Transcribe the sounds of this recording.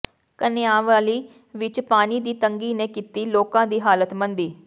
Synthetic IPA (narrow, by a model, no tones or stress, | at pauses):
kənɪjaːʋaːliː | ʋɪt͡ʃpaːniːd̪iːt̪əŋɡiːnẽːkit̪iːloːkãːd̪iːɦaːlət̪mənd̪iː